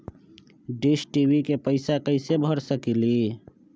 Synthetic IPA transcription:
ɖisʈiwikepəɪsakəɪsebʱəɾsəkili

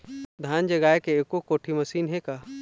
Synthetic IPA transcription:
d̪ʱjaːnd͡ʒɐɡaːjkeeːkokoːʈʰimɐsiːnɦekaː

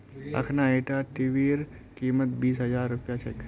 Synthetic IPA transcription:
ɐ̰kʰnaeːʈaʈiʋiːɾ | kiːmət̪biːsɦɐd͡ʒaːɾːʊpjat͡ʃʰɛkʰ

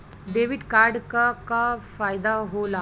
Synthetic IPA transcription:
ɖeʋiʈkaɾɖkakafajd̪aɦola

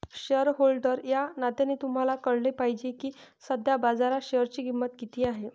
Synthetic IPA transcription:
ɕəɾɦolɖəɾjanat̪anet̪um̤alakəɽlepaɦid͡ʑekiːsəd̪ʱjabad͡zaɾaɕeəɾt͡ɕiːɡimːət̪kit̪iːaɦe

